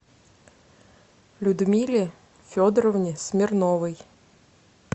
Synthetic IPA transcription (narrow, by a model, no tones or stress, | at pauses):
lʲʊd̪mʲilʲi | fʲɔd̪ɾɔwnʲisʲmʲirnɔʋɪj